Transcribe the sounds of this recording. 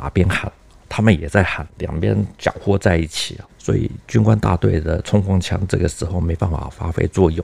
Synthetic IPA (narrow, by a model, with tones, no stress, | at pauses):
a̰˨˩pjɛ˥nxa̰˨˩˦n | t̪ʰa˥mə˨njɛ˨˩t͡sa˥˩ɪxa˨˩nljɑ̰˨˩ŋpjɛ̰˥nt͡ɕjɑ̰˨˩ʊxwɔ˥t͡sa˥˧ɪi˥˩t͡ɕʰi˨˩˦swɔ̰˧˥ḭ˨˩t͡ɕy˥nkwa˥nt̪a̰˥˧t̪wḛ˥˩ɪd̪ə˩t͡sʰʊ˥ŋxwɑ˥ŋt͡ɕʰjɑ̰˧˥ŋʈ͡ʂɤ˥˩ɡə˩ʂɻ̩˧˥xo˥˩ʊme˧˥ɪpa˥˩nfa̰˨˩fa̰˥fḛ˥ɪt͡swɔ˥˧jʊ˥˩